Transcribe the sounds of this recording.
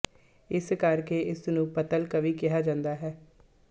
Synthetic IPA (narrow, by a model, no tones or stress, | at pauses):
ɪskəɾkeːʔɪsnũːpət̪əlkəʋiːkɪɦaːd͡ʒãːnd̪aːɦɛː